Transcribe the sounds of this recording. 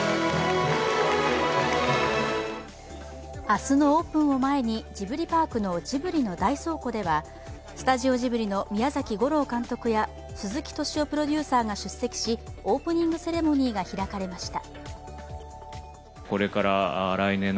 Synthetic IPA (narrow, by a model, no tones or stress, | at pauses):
asɨno̞oːpɯ̟̃ɰ̃o̞mae̞ɲ̟id͡ʑibɯ̟ɾʲipaːkɯ̟no̞d͡ʑibɯ̟ɾʲino̞d̪aiso̞ːko̞d̪e̞βa | sɨ̥t̪aʑio̞ʑibɯ̟ɾʲino̞mʲijazakʲiɡo̞ɾo̞ːkãnt̪o̞kɯ̟ja | sɨzɨkʲi̥t̪o̞ɕio̞pɯ̟ɾo̞d̪ʲɯːsaːɡaɕɨsːe̞kʲi̥ɕio̞ːpɯ̟ɲ̟ĩŋɡɯ̟se̞ɾe̞mo̞ɲ̟iːɡaçiɾakaɾe̞maɕi̥t̪a | ko̞ɾe̞kaɾaɾainen